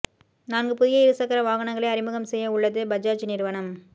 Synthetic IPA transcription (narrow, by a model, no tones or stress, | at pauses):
naːnɡɯpʊðɪjɐɪɾɯsɐkːɐɾɐʋaːɣɐnɐŋɡɐɭɐɪɐɾɪmɯɣɐmsɛjːɐʊɭːɐðɯbɐd͡ʒaːt͡ʃːnɪɾɯʋɐɳɐm